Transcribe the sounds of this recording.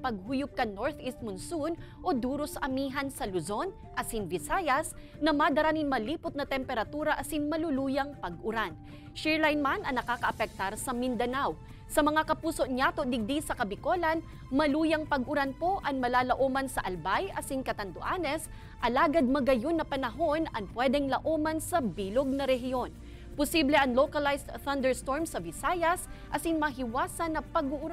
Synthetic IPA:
pɐɡ̚hujʊp̚kɐnoɹt̪ist̪̚mʊnsunʔo̞d̪uːɾosɐmiːɦɐnsɐlʊzo̞n | ʔɐsɪnvɪsaːjɐs | nɐmad̪ɐɾaninmɐliːpʊt̪̚nɐt̪ɛmpɛɾɐt̪uːɾɐʔɐsiŋmɐlʊluːjɐŋpɐɡʔʊɾan | ʃɛɹlajnmanɐŋnɐkaːkɐʔɐpɛk̚t̪aɾsɐmɪnd̪ɐnaw | sɐmɐŋakɐpuːso̞ʔɲat̪od̪ɪɡ̚d̪isɐkɐbɪko̞lɐn | mɐluːjɐŋpɐɡʔʊɾanpo̞ʔɐŋmɐlaːlɐʔomɐnsɐʔɐlbajʔɐsiŋkɐt̪ɐnt̪ʊʔanɛs | ʔɐlaːɡɐd̪̚mɐɡɐjonːɐpɐnɐɦo̞nɐŋpwɛd̪ɛŋlɐʔomɐnsɐbiloɡ̚nɐɾɛɦɪo̞n | pʊsiblɛʔɐŋlokɐlajst̪θɐnd̪ɛɹst̪o̞ɹmsɐbɪsaːjɐsʔɐsiŋmɐɦɪwaːsɐnːɐpɐɡʊʔʊɾa

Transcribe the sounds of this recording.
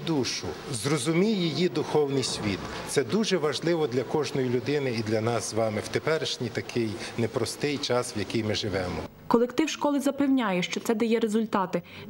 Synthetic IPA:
d̪uʃʊzrɔzʊmʲijijid̪ʊxɔwnɪjsʲʋʲit̪t̪sɛd̪uʒɛʋɐʒlˠɪʋɔd̪lʲɐkɔʒnɔjilʲʊd̪ɪnɪid̪lʲɐnɑszʋɑmɪwt̪epɛɾɪʃnʲijt̪ɐkʰɪjnepɾɔst̪ɪjt͡ʃɑsʋjɐkɪjmɪʒɪʋɛmɔ | kɔlˠekt̪ɪwʃkɔlˠɪzɐpewnʲajɛʃt͡ʃɔt̪sɛd̪ɐjɛɾezʊlʲt̪ɑt̪ɪ

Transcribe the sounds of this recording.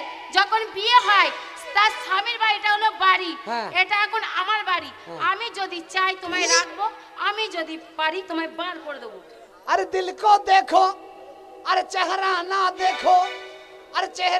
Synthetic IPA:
d͡ʒɔkʰonbieɦɔj | t̪asʰamiɾbaɾiʈaɦolobaɾieʈakʰona̰maɾbaɾiamid͡ʒod̪it͡ʃajt̪omaeɾakʰbo | amid͡ʒod̪ipaɾit̪omabaɾkoɾd̪ebo | əɾd̪ilkod̪eːkʰoː | əɾt͡ʃɛɦɾanad̪eːkʰoː | əɾt͡ʃeɦ

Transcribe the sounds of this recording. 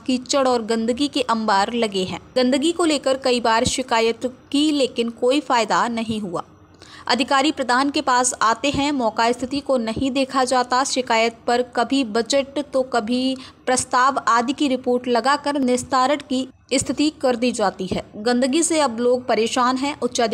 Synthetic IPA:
kit͡ʃəɽɔːɾɡɐ̃nd̪əɡikeʔɐ̃mbaːɾlɐɡeɦɛ̰̃ːɡɐ̃nd̪əɡikoleːkəɾkɐibaːɾʃɪkaːjət̪kileːkɪnkoːifaːɪd̪anɐɦĩɦua̰ː | ɐ̰d̪ʱɪkaːɾipɾɐd̪ʱaːnkepaːsaːt̪eɦɛ̃mɔːkaɪst̪ʰɪt̪ikonɐɦĩd̪eːkʰad͡ʒaːt̪aʃɪkaːjət̪̚pɐɾkɐbʱibɐd͡ʒəʈt̪okɐbʱipɾɐst̪aːʋaːd̪ʱikiɾɪpoːɾʈlɐɡakɐɾnɪst̪ʰaːɾəʈki | ɪst̪ʰɪt̪ikɐɾd̪id͡ʒaːt̪iɦɛːɡɐ̃nd̪əɡiseɐbloːɡ̚pɐɾeːʃaːnɦɛ̃ːʔʊt̪ːʃad̪

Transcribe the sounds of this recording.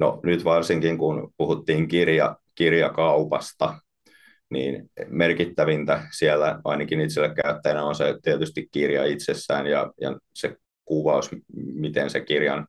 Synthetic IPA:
no̰nyt̪ʋɑrsiŋkiŋkunpuhut̪ːiːŋkirjɑ̰kirjɑkɑupɑst̪ɑ | nḭːnmerkit̪ːæʋint̪æsielːæʔɑinɑkinit̪silːekkæyt̪ːæjnæonset̪iet̪yst̪ikkirjɑ̰it̪sesːæːnjɑ̰jɑ̰se | kuʋɑusmit̪ensekirjɑ̰n

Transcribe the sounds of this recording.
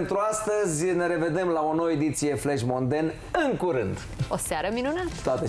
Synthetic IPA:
nt̪ɾuast̪əzʲne̞ɾe̞ve̞d̪e̞mlao̞nowəed̪it̪sije̞fleʃmo̞nd̪en | ɨŋkuɾɨnd̪ | osaɾəminunat̪ə̥t̪oat̪e

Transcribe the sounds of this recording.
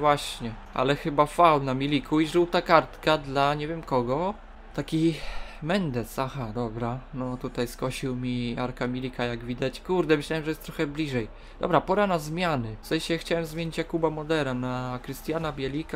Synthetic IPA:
vwaɕɲɛ | ʔa̰lɛxɘbafawnamʲilʲikʰuiʐɘwt̪akaɾt̪kad̪laɲɛvʲjɛmkɔɡɔ | t̪akʲimɛnd̪ɛsaxad̪ɔbɾanɔt̪ut̪ajskɔɕiwmʲiaɾkamʲilʲikajaɡvʲid̪at͡ɕkuɾd̪ɛmɘɕlawɛmʐɛjɛst̪ɾɔxɛblʲiʐɛj | d̪̥ɔ̰bɾapɔɾanazmʲjanɘfsɛjɕɛxt͡ɕawɛmzmʲeɲit͡ɕjakubamɔd̪ɛɾanakɾɘst̪ʲjanabʲjɛlʲika

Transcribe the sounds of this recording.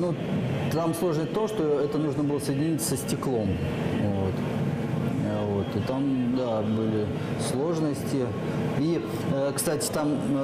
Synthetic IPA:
nu | t̪amslˠo̞ʐnəsʲt̪oʂt̪oɛt̪ənuʐnəbɨlˠəsəjɪdʲɪnʲitʲsəsʲtʲɪklˠo̞m | vot̪ | vo̞t̪ɨt̪amd̪abɨlʲɪ | slˠo̞ʐnəsʲtʲɪ | i | əkst̪atʲɪ̥t̪am

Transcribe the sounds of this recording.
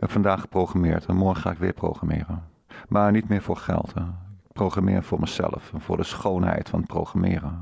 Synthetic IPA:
ɛpfɑndaːχə̥prowχamɪːɹtɛnmɔɹəχaːɪkʋɪːɹpro̰wχramɪːrən | mʔaːɹnitmɪːɹvʊːɹχɛ̰lˠtʰəɪk̚prowχramɪːɹvʊːɹməzɛ̰ləfɛnvʊːɹdəsχownɦɛ̰jtfɑnət̚pro̰wχramɪːrə

